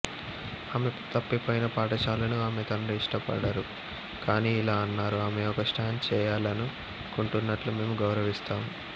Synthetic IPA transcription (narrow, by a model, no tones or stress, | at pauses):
aːmet̪ɐpːipoːjinɐpaːʈɐt͡ʃaːlɐnuaːmet̪ɐɳɐiʂʈɐpɐ̰ɽɐɾu | kaːniːilaːɐnːaːɾuaːmeɔkɐsʈaːnt͡ʃɛːjaːlɐnu | koɳʈunːɐʈlume̞ːmuɡɐwɾɐʋist̪aːmu